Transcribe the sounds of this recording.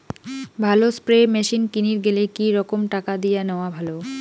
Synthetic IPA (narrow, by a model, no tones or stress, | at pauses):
bʱalospɾemɛʃinkiniɾɡelekiɾɔkomʈakad̪ijaneoabʱalo